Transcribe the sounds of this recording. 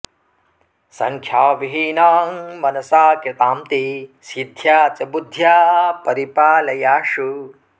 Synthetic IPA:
sɐ̰ŋkʰjaːʋiɦinaːmmɐnɐsaːkit̪aːmt̪isid̪ʱjaːt͡ʃɐbud̪ʱjaːpɐɾipaːlɐjaːʂu

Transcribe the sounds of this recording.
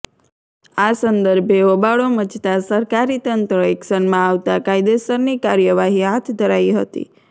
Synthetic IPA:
asənd̪əɾbʱeobaɭomət͡ʃt̪asəɾkaɾit̪ənt̪ɾəeksənmãaʋt̪akajd̪esəɾnikaɾjəʋaɦiɦat̪ʰd̪ʱəɾaiɦət̪ḭ

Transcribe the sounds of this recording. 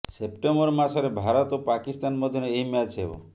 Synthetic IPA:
sep̚ʈembɔɾmasɔɾebʱaɾɔt̪opakist̪anmɔd̪ʱjɔneeimat͡ʃebɔ̰

